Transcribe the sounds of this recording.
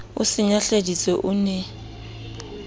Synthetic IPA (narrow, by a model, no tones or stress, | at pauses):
ʊsɪɲaɬedit͡sʼɔʔʊnɛ